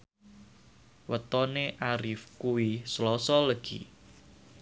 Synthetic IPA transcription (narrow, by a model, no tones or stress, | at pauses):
wət̪ɔneʔaɾifkuwislɔsɔləɡ̥ḭ